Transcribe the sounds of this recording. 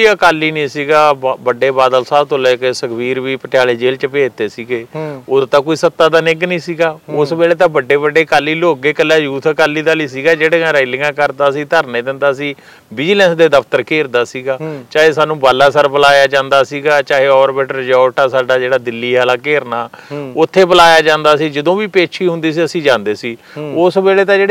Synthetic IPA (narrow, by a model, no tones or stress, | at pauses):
oiəkaːlːiːnĩːsiːɡaːbəɖeːbaːd̪əlsaːt̪oːleːkesəkʰbiːɾʋiːpəʈjaːleːd͡ʒeːlt͡ʃəpeːt̪eːsiːɡeːʊt̪ãːkoːiːsət̪ːaːd̪aːnɪɡnĩːsiːɡaːʊsmɛːleːt̪̬ãːbəɖːeːbəɖːeːkaːlːiːloːɡeːkəlːaːjuːt̪ʰəkaːliːd̪aːliːsiːɡaːd͡ʒeːɽeːãːɾaːilɪ̃ŋɡãːkəɾd̪aːsĩːt̪əɾnẽːd̪ɪnd̪aːsĩː | bɪd͡ʒlɛ̃ːsd̪eːd̪əpʰt̪əɾkeːɾd̪aːsiːɡaːt͡ʃaːɦeːsaːnũːbaːlːaːsəɾbəlaːjaːd͡ʒãːnd̪aːsiːɡaːt͡ʃaːɦeːɔːɾbɛːʈəɾd͡ʒaoʈaːsaːɖaːd͡ʒeːɽaːd̪ɪlːiːɦaːlaːkeːɾnaːʊt̪ʰːeːbəlaːjaːd͡ʒãːnd̪aːsiːd͡ʒəd̪õːʋiːpeːt͡ʃʰiːɦʊ̃nd̪iːs̬iːəsĩːd͡ʒãːnd̪eːsiː | ʊsbɛːleːt̪ãːd͡ʒeːɽe